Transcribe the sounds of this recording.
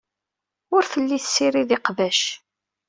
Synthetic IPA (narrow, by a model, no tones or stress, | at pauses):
ʊɾθəlːiθəsːiɾiðɪqvæʃ